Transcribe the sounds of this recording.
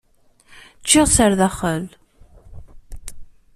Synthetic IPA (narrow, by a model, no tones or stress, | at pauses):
t͡ʃːɪʁsəɾðæχəl